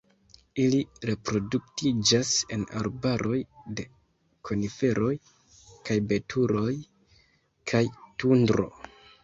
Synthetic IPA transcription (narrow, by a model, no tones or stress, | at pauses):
iliɾe̞pɾo̞duk̚tid͡ʒase̞na̰ɾbaɾʔo̞jde̞ | kʰo̞nife̞ɾʔo̞j | kajbe̞tʰuɾo̞j | kʰajtundɾo̞̰